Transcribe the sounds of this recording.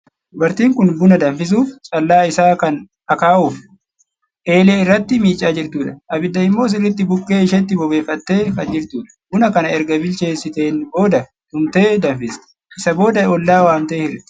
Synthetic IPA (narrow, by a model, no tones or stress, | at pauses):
d̪ʊbɐɾt̪iːŋkʊnbʊnɐd̪ɐɱfɪs̬uːft͡ʃʼɐlːaːɪsaːkɐn | ɐkaːʔuːf | ʔe̞ːle̞ːɪrːɐt̪ːɪmiːt͡ʃʼːaːd͡ʒɪɾt̪uːᶑɐʔɐbɪd̪ːɐɪmːo̞ːs̬ɪrːɪt̪ːɪbʊkʼːe̞ːɪʃɐt̪ːɪbɔbe̞ːfːɐt̪ːe̞ːkɐd͡ʒɪɾt̪uːᶑɐ̥bʊnɐkɐnɐɛɾɡɐbɪlt͡ʃe̞ːsɪt̪e̞ːnbo̞ːd̪ɐ | d̪ʊmt̪e̞ːd̪ɐɱfɪst̪ | ʔɪsɐbo̞ːd̪ɐɔlːaːwaːmt̪e̞ːhɪrɛ